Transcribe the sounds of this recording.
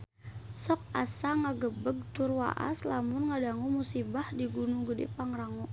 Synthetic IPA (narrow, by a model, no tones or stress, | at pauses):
sɔk̚asaŋaɡəbəɡ̚t̪urwa̰ʔa̰slamʊnŋadaŋumusibahdiɡunuɡədḭpaŋraŋɔ